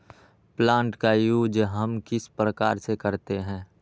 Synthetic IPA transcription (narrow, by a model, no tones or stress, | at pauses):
plãːɳʈkajuːd͡ʒɦɐmkɪspɾəkaːɾsekəɾt̪eɦɛ̃ː